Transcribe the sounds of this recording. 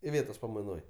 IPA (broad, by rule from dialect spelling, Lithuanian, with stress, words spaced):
ɪˈʋʲeːtoːs pɐmɐɪˈnoːj